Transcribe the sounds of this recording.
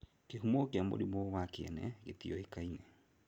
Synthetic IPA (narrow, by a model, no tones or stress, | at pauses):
keɦumɔkeamo̰ɾimowakeɛ̰nɛ̰ɣet̪iɔekainɛ